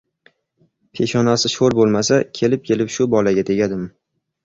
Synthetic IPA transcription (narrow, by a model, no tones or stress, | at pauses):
pʰe̞ʃɒnasɪʃoɾbolˠmasakʲʰe̞lɪp̚kʲʰe̞lɪpʃʊbɒlaɡʲat̪ʰe̞ɡʲad̪ɪm